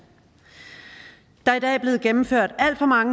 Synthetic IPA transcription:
d̥ɑ̈id̥ɛ̰ːb̥le̝ːð̩ˠɡ̥emm̩føɐ̰d̥æl̰d̥fɒ̽mɑ̈ŋə

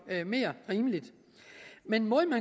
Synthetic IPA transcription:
me̝ːɐʁiːməlid̥ | menmɔðˠmæn

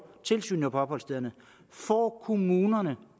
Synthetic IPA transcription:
t͡sʰe̝lsy̰ːnɒpʰɒ̽b̥hɒ̽lsd̥eðˠɐnə | fɒːkʰo̝muːnɐnə

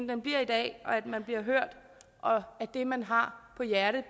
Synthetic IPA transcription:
n̩d̥enb̥liɐ̰id̥ɛ̰ːɒ̽æd̥mænb̥liɐ̰ɦøɐ̰d̥ | ʔɒ̽æd̥e̝mænɦɑ̈pʰɒ̽jæɐɾ̥ð̩ˠ

